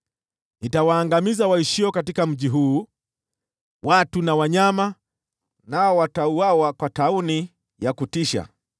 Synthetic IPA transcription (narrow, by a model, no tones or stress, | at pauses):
nitawaːŋɡamizawaiʃiɔkatikam̩ʄiɦuː | watunawaɲama | naɔwatauawakwatauni | jakutiʃa̰